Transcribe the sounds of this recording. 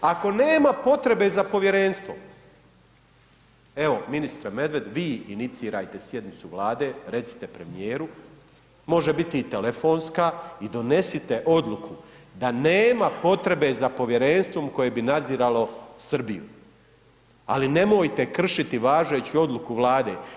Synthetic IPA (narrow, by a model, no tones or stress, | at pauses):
ako̞ne̞ːmapo̞t̪ɾe̞be̞zapo̞ʋje̞ɾe̞nst̪vʋo̰ | e̞ʋo̞minist̪ɾame̞d̪ʋe̞d̪ʋiːinit̪siːɾaːjt̪e̞sje̞d̪nit̪suʋlaːd̪e̞ːɾe̞t̪si̥t̪e̞pɾe̞mijeːɾu | mo̞ʒebit̪it̪elefoːnskaid̪o̞ne̞sit̪e̞ʔo̞d̪lˠukʰud̪aneːmapo̞t̪ɾe̞be̞zapo̞ʋje̞ɾe̞nst̪ʋo̞mko̞jebinad̪ziːɾalo̞sr̩bijṵ | a̰line̞mojt̪e̞kr̩ʃit̪iʋaːʒe̞ːt͡ɕio̞d̪lˠukuʋlˠaːd̪e̞ː